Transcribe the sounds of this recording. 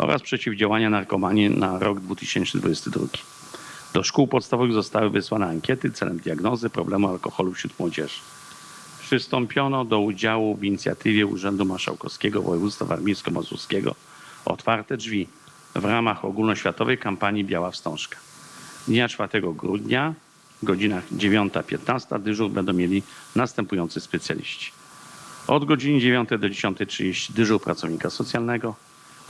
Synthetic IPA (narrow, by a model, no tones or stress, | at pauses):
ʔɔ̰ɾʔa̰spʂɛt͡ɕivd͡ʑawaɲanaɾkɔmaɲinaɾɔɡd̪vut̪ɘ̥ɕɛntnɘd̪vṵd͡ʑɛst̪ɘd̪ɾṵɡʲi̥ | d̪̥ɔʂkuwpɔt̪st̪avɔvɪɣzɔst̪awɘvɛswanɛaŋkʲjɛt̪ɘt̪sɛlʔɛmd̪ʲjaɡnɔzɘpɾɔblɛmualkɔxɔlufɕɾut̪mwɔd͡ʑɛʐɘ̥ | pʂɘst̪ɔmpʲjɔnɔd̪ɔud͡ʑawuviɲit̪sʲja̰t̪ɘvʲjɛṵʐɛnd̪umaʂa̰wkɔfskʲɛɡɔvɔ̰jɛvut̪st̪fa̰va̰ɾmʲejskɔmazṵɾskʲɛɡɔ̰ | ɔ̰t̪faɾt̪ɛʐvʲi | vɾamaxɔ̰ɡulnɔɕfʲjat̪ɔvɛjkampaɲibʲjawafst̪ɔ̰̃w̃ʂkḁ | d̪ɲat͡ʂfaɾt̪ɛɡɔɡɾud̪ɲa | ɡɔd͡ʑinad͡ʑevʲjɔnt̪apʲjɛt̪nast̪a̰d̪ɘʐuvbɛnd̪ɔ̃w̃mʲjelʲinast̪ɛmpujɔnt̪sɘspɛt̪sʲja̰lʲḭɕt͡ɕi̥ | ɔd̪ɡɔd͡ʑinɘd͡ʑevʲjɔnt̪ɛjd̪ɔd͡ʑeɕɔnt̪ɛjtʂɨd͡ʑeɕt͡ɕid̪ɘʐupɾa̰t̪sɔvɲikasɔt̪sʲjalnɛɡɔ